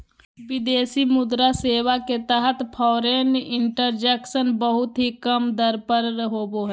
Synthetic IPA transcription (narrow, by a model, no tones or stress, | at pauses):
ʋɪd̪eːsimʊd̪ɾaseːwaket̪əɦət̪pʰɔːɾeːnɪ̃ɳʈəɾd͡ʒɛːkʃənbəɦʊt̪ɦikəmd̪əɾpəɾɾəɦoːboɦɛː